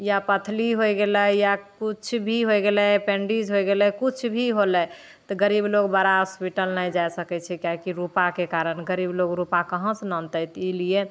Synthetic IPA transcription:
japət̪ʰliɦojɡeləjakut͡ʃʰbʱiɦojɡelɛpẽɳɖid͡ʒɦojɡelɛkut͡ʃʰbʱiɦolɛ | t̪ɔɡəɾibloɡbaɾaɦɔspiʈəlnəjd͡ʒajsəkɛt͡ʃʰɛkjaɦkiɾupakekaɾənɡəɾibloɡɾupakəɦə̃snə̃nt̪əjt̪ilie

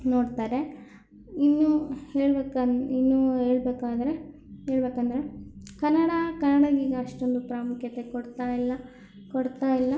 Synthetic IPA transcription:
no̞ːɽt̪aːɾe̞ | inːuheːɭbeːkainːuɦe̞ːɭbeːkaːd̪ɐɾe̞ | ɦeːɭbeːkɐnd̪ɐɾe̞kɐnːɐɽɐkɐnːɐɽɐɡiːɡɐɐʂʈo̞nd̪upɾaːmukjɐt̪e̞koɽt̪aːjilːɐ | koɽt̪aːjilːɐ

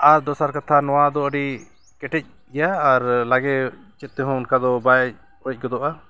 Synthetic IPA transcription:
aɾd̪ɔsaɾkat̪ʰanɔwad̪ɔəɖi | kɛʈɛc̚ | ɛjaːɾlaɡɛ | t͡ʃɛt̪̚t̪ɛɦɔ̃ʊnkad̪ɔbaj̚ | ɔc̚ˀɡɔd̪ɔʔa

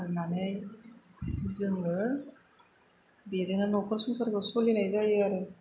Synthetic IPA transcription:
nanɯj | zɯŋɯ | bezɯŋnanɔkʰɯɾsuŋsʰaɾkɯsɔlinajzajaɾɯ

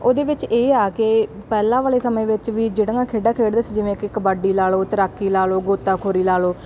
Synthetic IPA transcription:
oːd̪eːʋɪt͡ʃeːaːkɪpɛːlãːʋaːleːsəmẽːʋɪt͡ʃʋiːd͡ʒeːɽəŋaːkʰeːɖaːkʰeːɽd̪əsiːd͡ʒɪʋẽːkɪkəbaːɖiːlaːloːt̪əɾaːkːiːlaːloːɡoːt̪ːaːkʰoːɾiːlaːloː

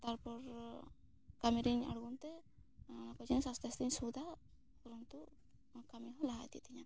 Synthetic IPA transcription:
t̪aɾpɔɾ | kameɾiɲa̰ɽɡunt̪ɛ | nakɔd͡ʒinɛsɔst̪ast̪iɲsud̪ʱa | pɔɾɔnt̪u | kamiɦɔ̃laɦa̰t̪it̪ʰiɲa

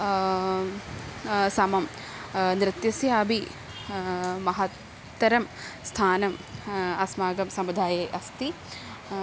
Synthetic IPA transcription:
sɐmɐm | nɾɪt̪jɐsjaːbʱi | mɐɦɐt̪ː | ɐɾɐmst̪ʰaːnɐmɐsmaːɡɐmsɐmud̪ʱaːjɐjʔɐst̪i

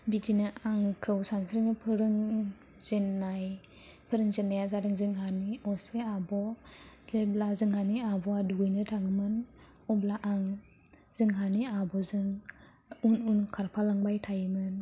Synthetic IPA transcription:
bitʰinɯʔaŋkʰɯwsansɾinɯpʰɯɾɯŋ | z̥enːaj | pʰɯɾɯŋzenːajazaɾɯŋzɯŋɦaniɔseabɔzeblazɯŋhaniabɔaduɡɯjnɯtʰaŋɯmɯn | ɔblaʔaŋ | zɯŋɦaniabɔzɯŋ | ununkʰaɾpʰalaŋbajtʰajmɯn

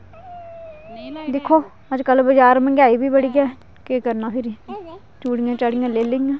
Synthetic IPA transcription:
d̪ɪkʰːoː | əd͡ʒkəlbəd͡ʒaːɾmə̃ɡaːiːbiːbəɽiːɡɛː | kekəɾnaːpʰɪɾiː | t͡ʃuːɽiŋãːt͡ʃaɽiŋãːleːlɪiŋãː

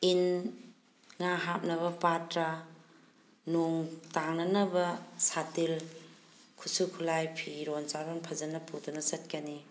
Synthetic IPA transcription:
in | ŋaɦap̚nɐβɐpatɾa | nuŋtaŋnɐnɐbɐsatil | kʰu̥sukʰulajpʰiɾɔnsaɾɔnpʰɐzɐnɐpʰutɔnɐsɐt̚kani

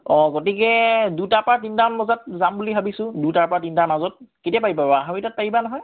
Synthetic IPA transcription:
ɔɡotikɛdutapɔat̬intamːɔzat̚zambulibʱabisʊ̃dutaɹpɔɹatintamazɔt̚ketiapaɦibabaɦamitat̚paɦibanɔɦɔj

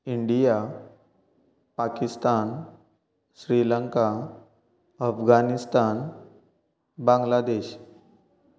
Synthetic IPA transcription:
iɳɖija | pakist̪an | ɕɾiləŋka | əfɡanist̪an | bãŋɡlad̪eɕ

